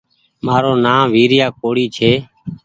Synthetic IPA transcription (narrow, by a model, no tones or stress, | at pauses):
maːɾoːnaːmʋiːɾɪjaːk̚oːɽiːt͡ʃʰeː